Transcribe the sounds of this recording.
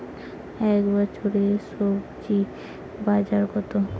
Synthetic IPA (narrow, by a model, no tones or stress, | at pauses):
ɛkbɔt͡ɕʰoɾeʃobd͡ʑi | bad͡ʑaɾɡɔt̪o